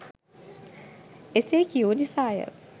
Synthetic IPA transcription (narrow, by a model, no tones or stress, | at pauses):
esekiod̪isaːjə̰